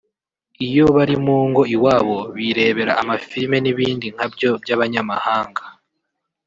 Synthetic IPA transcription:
ijo̞βaɾimuːŋɡo̞iwaːβo̞βiɾe̞ːβe̞ɾaːmafime̞niβiːndiŋ̥habjo̞bjaβaɲamahaːŋɡa

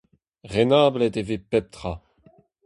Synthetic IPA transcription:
ʁenaːblɛtevepɛp̚t̪χa

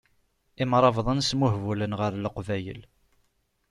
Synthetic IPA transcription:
iɪmɾˤɑvðˤənsmuhvulənʁəɾləqvæjə̰l

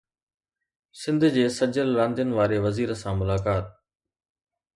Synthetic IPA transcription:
sɪ̃nd̪ʱd͡ʑeːsɐd͡ʑəlɾãːnd̪ijənɪ̆ʋaːɾeʋɐziːɾəsãmʊlaːkaːt̪̚

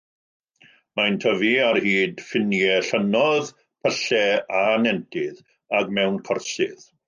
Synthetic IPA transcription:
mantʰəviarhiːdfɪnjɛɬənɔð | pʰəɬɛanɛntʰɪð | aɡmɛwnkʰərsɪ̰ð

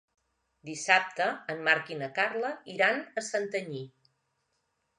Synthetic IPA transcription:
d̪isap̚t̪əːmmaɾkinəkarləiɾanəsənt̪əɲi

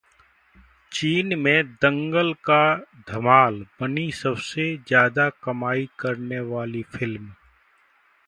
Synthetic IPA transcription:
t͡ʃiːnmẽd̪ɐ̃ŋɡəlkad̪ʱɐmaːlbɐnisɐbsezjaːd̪akɐmaːikɐɾneʋaːlifʰɪlm

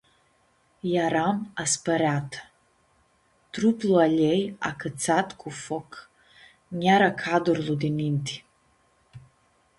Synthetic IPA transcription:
jaɾamaspəɾeat̪ə | t̪ɾuplualeja̰kət̪sat̪kʰufok | nʲjaɾakʰad̪uɾlud̪inint̪i̥

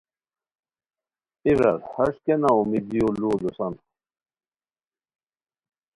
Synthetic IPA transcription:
iɾɐ̰ɾhɐʂkenaumid̪ijolulusɐn

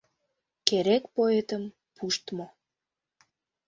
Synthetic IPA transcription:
keɾekpoet̪əm | pʰuʃt̪mo

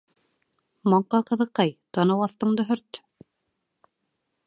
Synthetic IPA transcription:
mɒɴqːɑqɤ̆ðɤ̆qːɑjt̪ɑnɤwɑθt̪ɤ̆ɴd̪ɤɦɵ̆ɾt̪

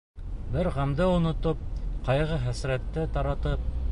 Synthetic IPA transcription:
bɘɾʁæmd̪ɘŏnŏt̪op̚qɑjʁɤχæsɾæt̪ːɘt̪ɑɾɑt̪ɤp̚

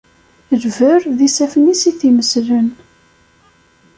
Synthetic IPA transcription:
lvəɾðisæfənisiθiməslən

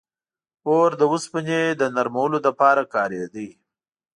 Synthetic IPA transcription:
oɾd̪əwʊspəned̪ənaɾmawəlod̪əpɑɾakɑɾjed̪i

